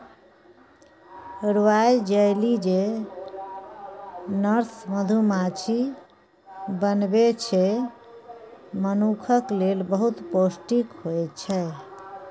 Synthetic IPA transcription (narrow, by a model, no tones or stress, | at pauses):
ɾʋajd͡ʒəjlid͡ʒe | nəɾsməd̪ʱumat͡ʃʰi | bənbet͡ʃʰɛ | mənukʰəklelbəɦut̪posʈikɦojt͡ʃʰɛ